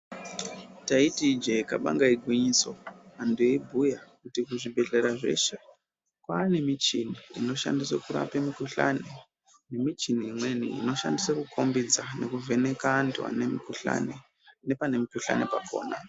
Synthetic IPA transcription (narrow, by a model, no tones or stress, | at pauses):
taitid͡ʒekaɓa̰ŋɡaiɡʱwiɲiso̞anduebʱujakutikuʐibʱe̞ɮeɾaʐe̞̰ʃe | kwaːne̞mit͡ʃiniino̞ʃa̰ndiswakuɾa̰pemikuɬa̰ne | ne̞mit͡ʃiniːmwe̞nḭḭno̞ʃa̰ndiswakukʰo̞mbid͡zane̞kuvʱe̞ne̞kandwa̰nemikuɬa̰ne | ne̞pane̞mikuɬa̰nepakʰo̞̰ːna